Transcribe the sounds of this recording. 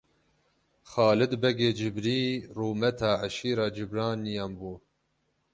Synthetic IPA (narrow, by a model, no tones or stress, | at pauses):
xɑːlɨd̪bɛɡeːd͡ʒɪbɾiːruːmɛt̪ʰɑːʕaʃiːɾɑːd͡ʒɪbɾɑːnːijɑːmbuː